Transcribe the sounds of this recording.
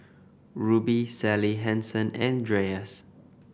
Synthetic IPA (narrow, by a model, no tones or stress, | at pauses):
ɹubisɛliɦɛ̃nsə̃nɛ̃ndɹeəs